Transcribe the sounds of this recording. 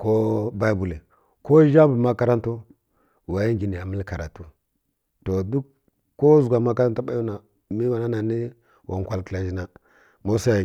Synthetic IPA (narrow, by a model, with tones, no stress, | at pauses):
ko˦ba˦˨bu˨li˨ | ko˦ʒa˦bu˨ma˦ka˦ɾa˦ntu˦ | wa˨ji˦ŋɡi˨ni˨ja˨mə˦lka˨ɾa˨tu˦ | to˨du˦k | kːo˦zu˨ɡʷa˨ma˦ka˦ɾa˦nta˦ba˦ju˦na˨ | mi˦wa˨na˦na˨ni˦ | wʔa˨ŋ˨kʷa˨lkla˨d͡ʒi˦na˨ | mo˦sa˦a˨